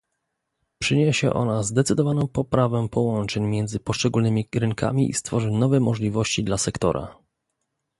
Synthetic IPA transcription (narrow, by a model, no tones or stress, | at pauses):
pʂɘɲeɕɛ̰ʔɔ̰nazd̪ɛt̪sɘd̪ɔvanɔ̃w̃pɔpɾavɛ̃pɔwɔnt͡ʂɛɲmʲjɛnd̪zɘpɔʂt͡ʂɛɡulnɘmʲiɾɘŋkʰa̰mʲiʔḭst̪fɔʐɘnɔvɛmɔʐlʲivɔɕt͡ɕid̪lasɛkt̪ɔ̰ɾa̰